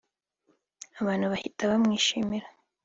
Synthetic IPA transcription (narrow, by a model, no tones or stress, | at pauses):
aβaːn̥huβahitʰaβamŋiːʃiːmiɾa